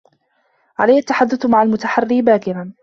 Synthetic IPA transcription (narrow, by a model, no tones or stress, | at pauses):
ʕalajːat̪ːaħad̪ːʊθmaʕalmʊt̪aħarːibaːkɪɾan